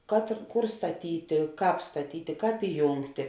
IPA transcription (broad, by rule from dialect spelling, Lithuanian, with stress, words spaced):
kɐt ɪr ˈkʊr stɐˈtʲiːtʲeː ˈkɑːp stɐˈtʲiːtʲeː ˈkɑːp ɪˈjuːŋktʲeː